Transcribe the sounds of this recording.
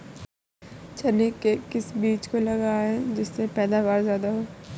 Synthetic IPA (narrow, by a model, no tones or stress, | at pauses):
t͡ʃʰɐnikːekɪsbiːt͡ʃkolɐɡaɦɛd͡ʒɪsːepɛːd̪aʋaːɾzjaːd̪aɦoː